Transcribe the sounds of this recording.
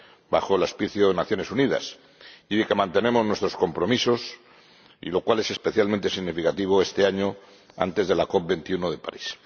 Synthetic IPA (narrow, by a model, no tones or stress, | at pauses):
baxo̞elaspiθjoðenaθjo̞ne̞suniða̰s | iðekemãnt̪e̞ne̞moznwe̞st̪ɾo̞sko̞mpɾo̞miso̞s | ḭlo̞kwale̞se̞spe̞θjalment̪e̞siɣnifikat̪iβ̞oe̞st̪eaɲo | a̰nt̪e̞zð̞e̞lako̞p̚be̞nt̪iunoðe̞pa̰ɾis